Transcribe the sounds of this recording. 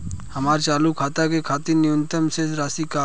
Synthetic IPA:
həmaːɾt͡ʃaːlukʰaːt̪akekʰaːt̪ɪɾnɪʊnt̪əmsesɾaːsika

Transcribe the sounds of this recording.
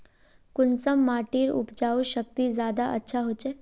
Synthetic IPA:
kʊnsəmːaʈiːɾṵpd͡ʒauʃək̚t̪izjaːd̪aʔə̰tːʃʰaɦot͡ʃe

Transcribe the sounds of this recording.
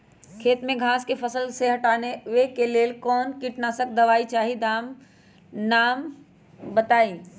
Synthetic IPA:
kʰeːt̪mẽɡʱaːskepʰəsəlseɦɐʈaːneʋekeleːlkɔːnkiʈnasək̚d̪ɐʋaːit͡ʃaːɦid̪aːm | naːm | bət̪aːĩː

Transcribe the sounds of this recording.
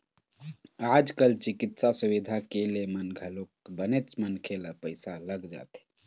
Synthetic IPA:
aːd͡ʒkəlt͡ʃɪkɪt̪sasʊʋid̪ʱakelemənɡʱəlokbənet͡ʃmənkʰelapəɪsaləɡd͡ʒa̰ːt̪e̥

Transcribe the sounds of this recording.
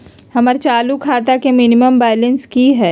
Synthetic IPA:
hɐməɾt͡ʃaːlukʰaːt̪̬akemɪnɪməmbaːlə̃nskiɦɛː

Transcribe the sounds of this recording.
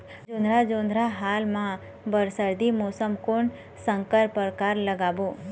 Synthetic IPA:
d͡ʒõnd̪ʱɾad͡ʒõnd̪ʱɾaɦalmã | bəɾsəɾd̪ʱimosəmkoɳ | sə̃ŋkəɾpəɾkaɾləɡaʋo

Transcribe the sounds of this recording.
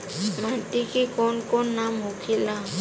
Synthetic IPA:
maʈ̪ikikɔɳkɔnːamɦokʰila

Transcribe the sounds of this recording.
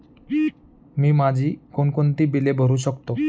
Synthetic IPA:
miːmad͡ʑʱiːkonkont̪iːbilebʱəɾuːɕəkt̪o

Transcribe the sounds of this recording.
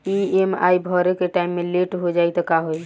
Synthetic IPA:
iema̰jbʱɔɾekeʈaimːeleʈɦod͡ʒajt̪ɔkaɦoj

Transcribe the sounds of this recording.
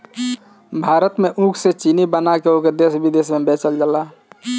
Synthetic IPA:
bʱaːɾət̪meʔũkʰset͡ʃinibənakeoked̪esbid̪esmebet͡ʃəld͡ʒəla

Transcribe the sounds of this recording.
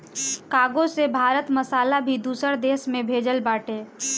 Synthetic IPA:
kaːɡosebʱaːɾət̪məsaːlabʱid̪uːsəɾd̪eːsmẽbʱed͡ʒəlbaːʈe

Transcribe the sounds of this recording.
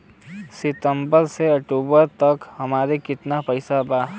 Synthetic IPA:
sɪt̪ə̃mbəɾseɐk̚ʈuːbəɾt̪ɐkhɐmaːɾekɪt̪napɐɪsabaː

